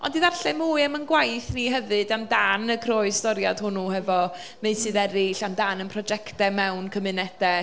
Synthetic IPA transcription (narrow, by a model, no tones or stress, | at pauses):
ɔ̰ndiðarɬɛmuːɨɛmənɡwajθniɦɛvɨdamdanəkʰrɔːɨstɔɾjad̥hʊnuhɛvɔ | meɨsʰɨðɛɾɪɬamdanənpʰrɔd͡ʒɛktɛmɛwnkʰəmɨnɛd̥ɛ